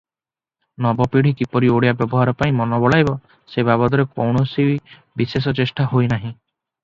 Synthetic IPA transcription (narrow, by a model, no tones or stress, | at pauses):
nɔbɔpiɽ̤ikipɔɾioɽijabjɔbɔɦaɾɔpaĩmɔnɔbɔɭajbɔ | sebabɔd̪ɔɾekowɳɔsii | bises̬ɔt͡ʃesʈaɦojnaɦĩ